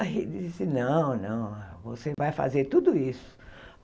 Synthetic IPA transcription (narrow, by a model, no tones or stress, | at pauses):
ɦid͡ʒisɪnɐ̃w̃nɐ̃w̃vosevajfa̰zeɾt̪ud̪ʊisʊ̥